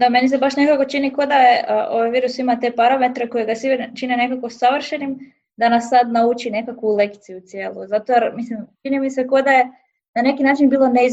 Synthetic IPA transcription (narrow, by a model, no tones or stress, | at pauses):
d̪ame̞nis̬e̞baʃne̞kako̞t͡ʃiniko̞d̪ajeʔʔoʋajʋiːɾusimat̪e̞paɾame̞t̪ɾeko̞jeɡasiʋt͡ʃinene̞kakosaʋr̩ʃenim | d̪anasːad̪naut͡ʃine̞kakʋule̞kt̪sijut̪sije̞ːlˠuzat̪oaɾmislimt͡ʃinimise̞ko̞d̪aje̞ | nane̞kinaːt͡ʃinbiːlˠo̞neiz